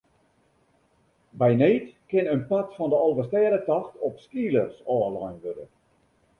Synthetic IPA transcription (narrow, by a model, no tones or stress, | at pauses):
bɛjneːtkɪnənpatfɔndəɑlˠʋəstɛːɾətɑxtʰɔpskiːlərsɔːlɔjnʋødə̰